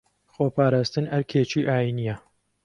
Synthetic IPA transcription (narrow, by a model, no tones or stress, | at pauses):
xoːpʰaːɾaːst̪ɨnɐɾkʰeːt͡ʃiːʔaːjinijɐ